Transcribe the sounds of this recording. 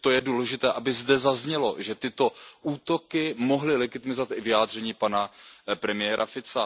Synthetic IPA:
t̪o̞jɛduːlɛʒɪt̪ɛːʔabɪzdɛzazɲɛlo̞̰ʒɛt̪ɪt̪o̞ʔuːt̪o̞kɪmoɦlɪlɛɡɪt̪ɪmɪzovat̪ɪvɪjaːd̪r̝ɛɲiːpanapɾɛmɪjɛːɾʔafɪt͡sa

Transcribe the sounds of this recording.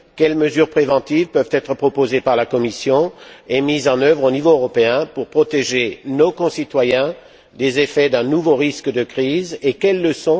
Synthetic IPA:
kʲɛlməzyʁpχevɑ̃t̪ivpœvt̪ɛt̪χəpχɔpozepaʁlakɔmisjɔ̃emizɑ̃nœvʁonivoøʁɔpeɛ̃puʁpχɔt̪eʒenokɔ̃sit̪wajɛ̃ | d̪ezefɛd̪ɛ̃nuvoʁiskəd̪əkχizekʲɛlːəsɔ̃

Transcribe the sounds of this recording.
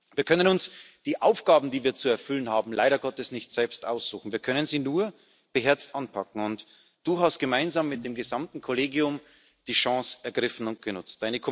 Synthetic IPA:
v̥iːɐkʰœnənʊnsd̥iːʔaʊfɡ̥aːbm̩diːviːɐt͡suɛɐfʏlənɦaːbm̩laɪɾɐɡɔtɛsnɪçtz̥ɛlpstʔa̰ʊsz̥uːxn̩viːɐkʰœnənziːnuːɐ | b̥əɦɛɐt͡stʔanpʰakŋ̩ʊnt | d̥uːɦast̚ɡ̥əmaɪnzaːmːɪt̚d̥eːmɡəzamtn̩kʰoleːɡjʊm | d̥iːʃɑ̃sʔɛɐɡʁɪfn̩ʊnt̚ɡ̥ənʊt͡st̚d̥aɪnəkʰo

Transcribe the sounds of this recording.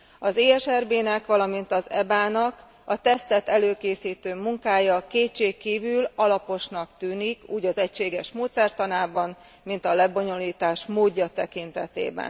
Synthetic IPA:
ɒzeːɛʃɛrbeːnɛkʋɒlɒmint̪ɒzɛbaːnɒk | ɒt̪ɛst̪ɛt̪ɛløːkeːsiːt̪øːmuŋkaːjɒkeːt͡ʃːeːkːiːvylɒlɒpo̞ʃnɒkt̪yːnikṵːɟɒzɛcʃeːɡɛʃmoːt̪sɛrt̪ɒnaːbɒn | min̪t̪ɒlɛbo̞ɲo̞liːt̪aːʃmoːɟːɒt̪ɛkint̪ɛt̪ḛːbɛ̰n

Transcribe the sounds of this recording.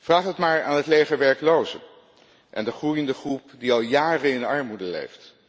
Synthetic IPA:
v̥raːχətmaːɹa̰ːnɦətlejχəɹʋɛɹklowzə̰ | ʔɛ̰ndəχrujəndəχrupdiɑlˠjaːrəɪnɑɹmudəlḛjft

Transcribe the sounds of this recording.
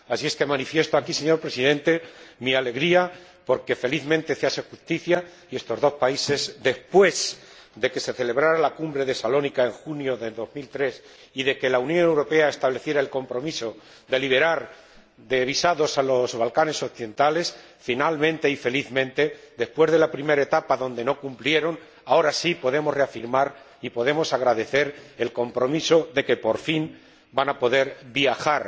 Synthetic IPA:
asie̞ske̞mãnifje̞st̪oakise̞ɲo̞ɾpɾe̞siðẽ̞nt̪e̞miale̞ɣɾia | po̞ɾke̞fe̞liθmẽnt̪e̞seasexust̪iθja | ie̞st̪o̞zðospaise̞zd̪e̞hpwe̞z | d̪e̞ke̞se̞θe̞le̞β̞ɾaɾalakumbɾe̞ðe̞salo̞nikae̞ŋxunjo̞ðe̞ðo̞zmilt̪ɾe̞s | iðe̞ke̞launjo̞newɾo̞pe̞aest̪aβle̞θje̞ɾaelko̞mpɾo̞miso̞ | d̪e̞liβe̞ɾaɾ | d̪e̞β̞isaðo̞salo̞zβalkane̞so̞kθiðent̪ale̞s | finalmẽnt̪e̞ife̞liθmẽ̞nt̪e̞d̪e̞spwe̞zðe̞lapɾime̞ɾaet̪apaðo̞nd̪e̞no̞kumplje̞ɾo̞n | ao̞ɾasipo̞ðe̞mo̞sre̞afiɾmaɾ | ipo̞ð̞e̞mo̞saɣɾaðe̞θe̞ɾe̞lko̞mpɾo̞miso̞ðe̞ke̞po̞ɾfin | banapo̞ðe̞ɾβjaxaɾ

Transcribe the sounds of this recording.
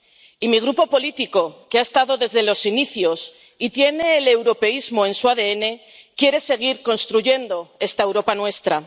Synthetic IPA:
imiɣ̞ɾupo̞po̞lit̪iko̞keaest̪aðo̞ðe̞zðe̞lo̞siniθjo̞s | it̪je̞ne̞ːle̞wɾo̞pe̞izmo̞ẽ̞nsuaðe̞ene̞ | kje̞ɾe̞se̞ɣ̞iɾko̞nst̪ɾuʝe̞nd̪o̞e̞st̪ae̞wɾo̞panwe̞st̪ɾa

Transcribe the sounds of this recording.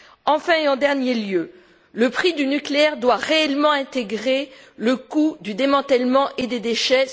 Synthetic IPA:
ɑ̃fɛ̃eɑ̃d̪ɛʁnjeljø | ləpχid̪ynykleɛʁd̪waʁeɛlmɑ̃ɛ̃t̪eɡʁe | ləkud̪yd̪emɑ̃t̪ɛlmɑ̃ʔed̪ed̪eʃɛ

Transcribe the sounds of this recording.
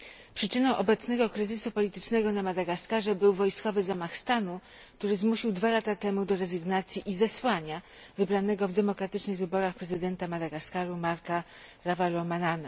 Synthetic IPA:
pʂɘt͡ʂɘnɔ̃w̃ʔɔbɛt̪snɛɡɔkɾɘzɘsupɔlʲit̪ɘt͡ʂnɛɡɔnamad̪aɡaskaʐɛbɘwvɔjskɔvɘzamaxst̪anu | k̚t̪uɾɘzmuɕiwd̪valat̪at̪ɛmud̪ɔɾɛzɘɡnat̪sʲjiʔizɛswaɲavɘbɾanɛɡɔvd̪ɛmɔkɾat̪ɘt͡ʂnɘɣvɘbɔɾaxpɾɛzɘd̪ɛnt̪amad̪aɡaskaɾumaɾka | ɾavalɔmanana

